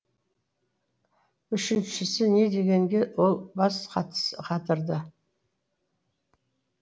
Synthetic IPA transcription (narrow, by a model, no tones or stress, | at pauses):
ʏʃɪnʃɪsɪne̞d̪e̞ɡʲe̞ŋɡʲe̞wo̞lˠbɑsqʰɑt̪ʰə̥səqʰɑt̪əɾd̪ə